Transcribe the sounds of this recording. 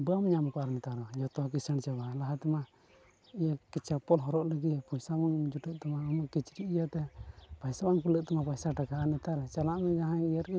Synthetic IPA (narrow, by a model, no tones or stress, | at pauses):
bamɲamkaɾnɛt̪aɾɔd͡ʒɔt̪ɔak̬isəɳt͡ʃabalaɦat̪ɛma | ijakit͡ʃapɔlɦɔɾɔʔləɡipujsamɔŋd͡ʒuʈəʔ̚t̪ɛmaɔmakit͡ʃɾiʔijat̪ɛpajsabaŋpuləʔ̚t̪ɔmapajsaʈakaanɛt̪aɾt͡ʃalaʔmɛd͡ʒaɦãijəɾɛ